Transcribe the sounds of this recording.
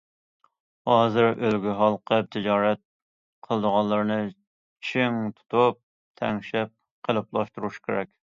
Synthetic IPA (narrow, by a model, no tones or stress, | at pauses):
hɑːzɨɾʔølɡʲyɦɑlˠqʰəp̚t̪ʰɪd͡ʒɑːɾɛt̪̚ | qʰəlˠd̪əʁɑlˠəɾnɨ | t͡ʃʰɪŋt̪ʰu̥t̪ʰup̚ | t̪ʰɛ̰ŋʃɛp̚ | qʰəlˠɨplˠɑʃt̪uɾuʃkʲʰeɾɛkʲ